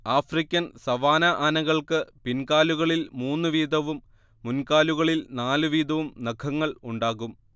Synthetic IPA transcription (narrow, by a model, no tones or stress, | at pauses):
aːfrikʲːɐnsɐʋaːnɐʔanɐɣɐɭkɨpinkaːluɣɐɭilmuːnːɨʋiːd̪ʱɐʋumː | unkaːluɣɐɭilnaːlɨʋiːd̪ʱɐʋumnekʰɐŋːɐɭuɳɖaːɣum